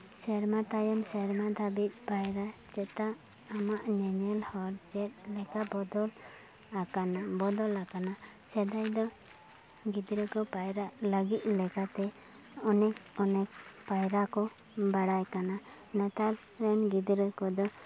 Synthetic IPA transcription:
sɛɾmat̪ajɔmsɛɾmad̪ʱabit̪̚ˀpajɾat͡ʃɛt̪aʔ | amaʔɲɛɲɛlhɔɾd͡ʒɛt̪̚lɛkabɔd̪ɔl | akanabɔd̪ɔlakana | sɛd̪ajd̪ɔ | ɡid̪ɾəkɔpajɾaʔləɡit̪̚ˀlɛkat̪ɛ | ɔnɛk̚ɔnɛk̚pajɾakɔ | baɽajkana | nət̪al | ɾɛnɡid̪ɾəkɔd̪ɔ

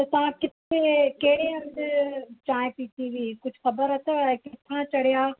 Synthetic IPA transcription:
t̪ɐt̪aʋ̤ãkɪt̪ʰekɐɦɪɽeɐmdt͡ɕãːj̃pĩːt̪iʋiiːkʊd͡ʑʱʊxɐbəɾɐt̪ʰoaekɪt̪ʰãt͡ɕɐɽijaː

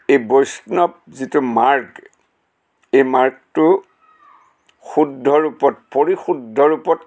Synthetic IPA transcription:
ejbojsnɔp̚zitumaɹk | ejmaɹk̚tʊ | xudʱːɔɹupɔt̚poɹixudʱːɔɹupɔt

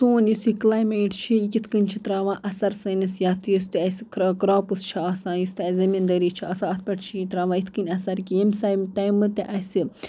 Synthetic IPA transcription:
soːnjusiklaːjmeːʈt͡ʃʰiikʲit̪ʰkɨnʲt͡ʃʰit̪ɾaːʋãːʔɐsɐɾsɐnɐsjaːt̪ɨjust̪iɐskɡɾaːpust͡ʃʰaaːsãːjust̪iɐzɐmind̪ɐɾit͡ʃʰiʔɐːsãːɐt̪̚ʰpɐʈt͡ʃʰiit̪ɾaːʋãːit̪ʰkɨnʲɐsɐɾkiemsajmt̪ajmɨt̪iʔɐsi

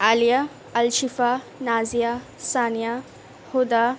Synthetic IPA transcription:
alija | ɐlʃifa | naːzija | saːnija | hod̪a

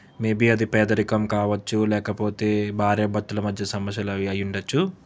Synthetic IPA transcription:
meːbiːɐd̪ipɛːd̪ɐɾikɐmkaːʋɐt͡ʃːulɛːkɐpo̞ːt̪e̞ːbʱaːɾjɐbɐt̪ːulɐmɐd̪ʱjɐsɐmɐsjɐlɐɐjuɳɖɐt͡ʃːu

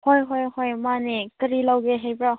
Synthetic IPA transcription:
hɔjɦɔjhɔjmanekɐɾilawɡeɦejbɾa

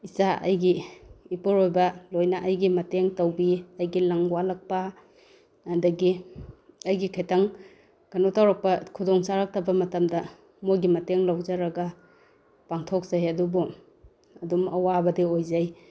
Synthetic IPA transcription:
isaɐ̰jɡiːpuɾojbɐlojnɐʔɐjɡimɐteŋtɐwbiɐjɡilaŋwalak̚pɐː | dɐɡi | ɐjɡikʰajtaŋ | kɐnotawɾɐk̚pɐkʰudɔŋsaɾak̚tɐbɐmɐtɐmdɐ | mojɡimɐteŋlawzaɾɐɡɐ | paŋtʰok̚z̥ajɐdubu | ɐdumɐwabɐdiojzaj

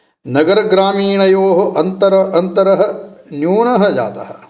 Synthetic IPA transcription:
nɐɡɐɾɐɡɾaːmiːɳɐjoːɦoʔɐnt̪ɐɾɐʔɐnt̪ɐɾɐɦɐ̆njuːɳɐɦɐd͡ʒa̰ːt̪ɐ̰ɦɐ̆

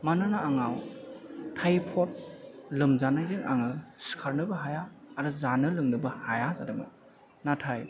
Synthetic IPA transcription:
manɯnaaŋaw | tʰajpʰɔt̚lɯmzanajzɯŋʔa̰ŋɯsi̥kʰaɾnɯbɐɦajaːɾɯzanɯlɯŋnɯbɐhajazadɯmɯ̰ | natʰaj

